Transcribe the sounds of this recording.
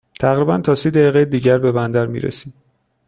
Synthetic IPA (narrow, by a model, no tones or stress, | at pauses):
t̪ʰæɣɾibænt̪ʰɒːsiːd̪æjiːɣejed̪iːɟæɾbe̞bænd̪æɾmḭːɾḛsiːm